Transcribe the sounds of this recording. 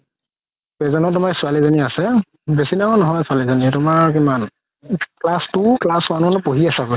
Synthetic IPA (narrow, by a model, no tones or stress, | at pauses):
pezɔnɔtʊmaksʊalizaniasɛ | besinanɔɦɔjsʊalizanitʊmaɹk̬iman | klastuklaswanɔnɔpoɦiasako